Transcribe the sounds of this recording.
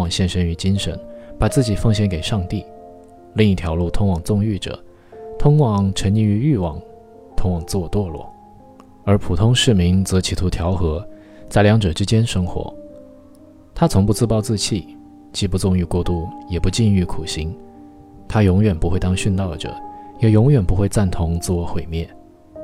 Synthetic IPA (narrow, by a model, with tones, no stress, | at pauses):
ɑ˨˩ŋɕjɛ˥˧nʂə˧˥ny˧˥t͡ɕi˥nʂə̰˧˥npa˨˩t͡sɹ̩˥˩t͡ɕi˨˩fɤ˥˧ŋɕjɛ˥nke˨˩ɪʂɑ˥˧ŋt̪i˥˩ | li˥˧ŋi˥˩t̪ʰjɑ˧˥ʊlu˥˩t̪ʰʊ˥ŋwɑ˨˩ŋt͡sʊ˥˧ŋy˥˩ʈ͡ʂɤ̰˨˩˦ | t̪ʰʊ˥ŋwɑ˨˩ŋʈ͡ʂʰə˧˥ni˥˩y˧˥y˥˩wɑ˨˩ŋ | t̪ʰʊ˥ŋwɑ˨˩ŋt͡st̪wɔ˥˧lwɔ̰˥˩ | ə˞˧˥pʰu˨˩t̪ʰʊ˥ŋʂɻ̩˥˩mi˧˥ŋt͡sɤ˧˥t͡ɕʰi˨˥t̪ʰu˧˥t̪ʰjɑ˧˥ʊxɤ˧˥ | t͡sa˥˩ɪljɑ˧˥ŋʈ͡ʂɤ˨˩ʈ͡ʂɻ̩˥t͡ɕjɛ˥nʂɤ˥ŋxwɔ̰˧˥ | t̪ʰa˥t͡sʰʊ˧˥ŋpu˥˧t͡sɹ̩˥˧pɑ˥˧ʊt͡sɹ̩˥˧t͡ɕʰi˥˩ | t͡ɕi˥˧pu˥˧t͡sʊ˥˧ŋy˥˧kwɔ˥˧t̪u˥˩jɛ˨˩pu˧˥t͡ɕi˥˧ny˥˩kʰu˨˩ɕi˧˥ŋ | t̪ʰa˥jʊ˧˥ŋɥɛ˨˩npu˧˥xe˥˧ɪt̪ɑ˥ŋɕy˥˧nt̪ɑ˥˩ʊʈ͡ʂɤ̰˩˦jɛ˨˩jʊ˧˥ŋɥɛ˨˩npu˧˥xwe˥˧ɪt͡sa˥˩nt̪ʰʊ˧˥ŋt͡sɹ̩˥˩wɔ˧˥xwe˨˩ɪmjɛ˥˩n